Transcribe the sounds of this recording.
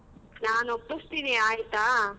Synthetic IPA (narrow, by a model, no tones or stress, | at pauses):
naːnopːust̪iːniaːjit̪aː